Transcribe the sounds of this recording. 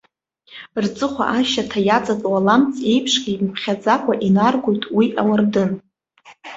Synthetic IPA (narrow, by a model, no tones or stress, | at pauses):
rt͡sʼɨχʷa̰ʔaʃatʰajad͡zʼatʼwalamt͡sʰʼe̞jpʰʂɡʲimpʰχʲad͡zakʷʼaʔinarɡʷojtʼwiʔawardɨn